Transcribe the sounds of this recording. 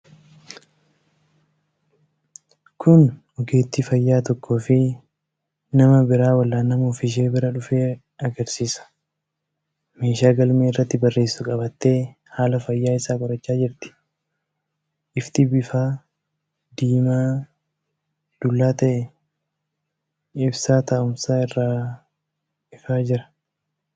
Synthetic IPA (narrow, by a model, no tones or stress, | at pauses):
kʰʊn | ɔɡe̞ːt̪ːifɐjːaːt̪ɔkːoːfɪ | nɐmɐbɪɾaːwɐlːaːnɐmɔfɪʃ̬e̞ːbɪɾɐᶑʊfeː | ɐɡɐɾsiːsɐ̥ | me̞ːʃaːɡɐlmeːɪrːɐt̪ːɪbɐrːe̞ːsːʊkʼɐbɐt̪ːe̞ː | haːlɐfɐjːaːɪsaːbɐɾɐt͡ʃːaːd͡ʒɪɾt̪ɪ̥ | ʔɪft̪ɪbɪfaː | d̪iːmaː | d̪̥ʊlːaːt̪ɐʔɛ | ɪbsaːt̪ɐʔʊmsaːɪrːaː | ɪfaːd͡ʒɪɾɐ̥